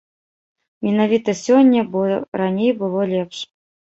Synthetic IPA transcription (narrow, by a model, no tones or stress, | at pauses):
mʲɪnavʲit̪əsʲonʲːəbɾanʲejbɨlˠolʲepʂ